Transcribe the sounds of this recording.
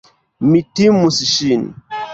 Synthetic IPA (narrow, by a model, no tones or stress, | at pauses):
mitimusiʃin